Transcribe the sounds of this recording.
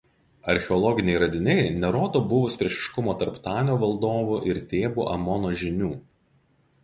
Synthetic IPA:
ɐɾʲxʲɛɔlˠɔɡʲɪnʲɛɪɾɐd̪ʲɪnʲɛɪnʲɛɾoːd̪oːbʊʋʊsʲpʲɾʲiɛʃʲɪ̥ʃkʊmoːt̪ɐɾpt̪ɑːnʲoːʋɐlˠd̪oːʋuˑʔɪɾt̪ʲeːbuːʔɐ̰mɔnoːʒʲɪnʲuː

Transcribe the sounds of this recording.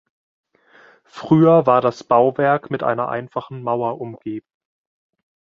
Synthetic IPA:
fʁ̥yːɐvaːɐɾasb̥aʊvɛɐkmɪtʔa̰ɪnɐ̰ʔa̰ɪnfaχn̩maʊɐʔʊmɡ̥eːbm̩

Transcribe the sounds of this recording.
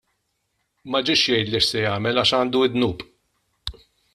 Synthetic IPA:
mɐd͡ʒɪʃjɛjt̪liʃsɛjɐːmɛlɐʃɐːnd̪uɪd̪nuːpʼ

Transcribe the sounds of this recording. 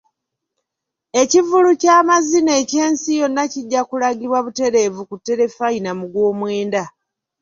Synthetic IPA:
e̞civulucaːmazine̞ːce̞ːnsijo̞nːaciɟːakulaɡiβwaβute̞ɾe̞vukutːe̞ɾe̞fainamuɡwo̞ːmwe̞ːnda

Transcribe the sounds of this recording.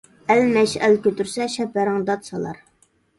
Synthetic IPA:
ælmɛʃɛlkʲʰøt̪yɾsɛʃɛpːæɾɪŋd̪ɑt̪sɑlˠɑ̰ɾ

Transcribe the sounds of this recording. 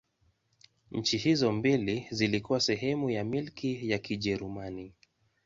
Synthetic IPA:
ɲ̩t͡ʃihizɔmbilizilikuwasɛɦɛmujamilkʰijakʰiʄɛɾumani

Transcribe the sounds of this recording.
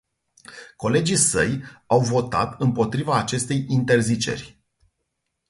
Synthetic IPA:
ko̞le̞d͡ʒisə̰jawvo̞t̪a̰t̪ɨmpo̞t̪ɾivaːt͡ʃe̞st̪e̞jint̪e̞rzit͡ʃe̞̰rʲ

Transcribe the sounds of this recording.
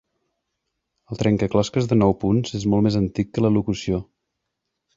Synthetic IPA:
əlˠt̪ɾʔɛŋkəklɔskəzðənɔwpunzezmɔlˠmezənt̪ikːələlukusio

